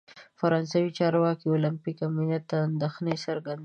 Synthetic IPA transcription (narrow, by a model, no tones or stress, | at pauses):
faɾɑnsawit͡ʃɑɾwɑkiolampikaminat̪ːand̪axnesaɾɡand̪